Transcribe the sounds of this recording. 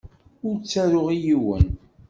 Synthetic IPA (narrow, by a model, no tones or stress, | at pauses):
ʊɾt͡sːæɾʊʁijiwə̰n